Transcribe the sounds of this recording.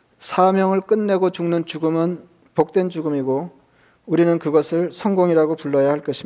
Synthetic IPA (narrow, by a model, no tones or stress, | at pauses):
sʰamjʌŋɯɭk͈ɯnːe̞ɡot͡ɕuŋnɯnt͡ɕuɡɯmɯn | pok̚t͈we̞nt͡ɕuɡɯmiɡo | uɾinɯnkɯɡʌsʰɯɭsʰʌŋɡoŋiɾaɡopuɭːʌjahaɭk͈ʌɕʰi